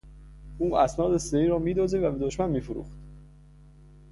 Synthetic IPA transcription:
ʔuːʔæsnɒːd̪eseɾiːɾɒːmiːd̪oːziːvæbed̪oʃmænmiːfoɾṵxt̪

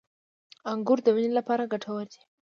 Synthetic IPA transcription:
aŋɡʊɾd̪əwinilapɑɾaɡaʈʰawəɾd̪i̥

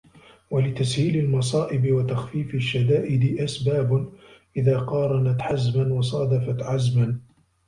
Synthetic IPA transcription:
walɪt̪ashiːlalmɑsˤɑːʔɪbɪwat̪axfiːfɪʃːad̪aːʔɪd̪ɪʔasbaːbʔɪðaːqɑːɾˤɑnat̪ħazmanwɑsˤɑd̪ɑfat̪ʕazman

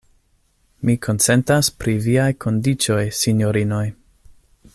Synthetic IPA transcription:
mikʰo̞nt͡se̞ntaspɾiviajkʰo̞ndit͡ʃo̞jsinjo̞ɾino̞j

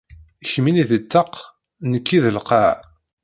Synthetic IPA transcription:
ʃminiðət͡s̪ːəq | nəkːiðəlqɑʕ

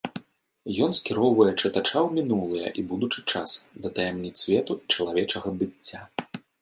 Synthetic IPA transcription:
jɔnskʲiɾɔwvɐjɛt͡ʂɨt̪at͡ʂawmʲinulˠɨjɐ̰ʔibud̪ut͡ʂɨt͡ʂasd̪ɐt̪ɐjamnʲit̪sʲvʲɛt̪uit͡ʂɐlˠavʲɛt͡ʂɐɣɐbɨt͡sʲːa

